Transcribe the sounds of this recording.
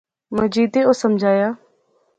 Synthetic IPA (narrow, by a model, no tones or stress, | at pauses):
məd͡ʒiːd̪eoːsəmd͡ʒʱaːjaː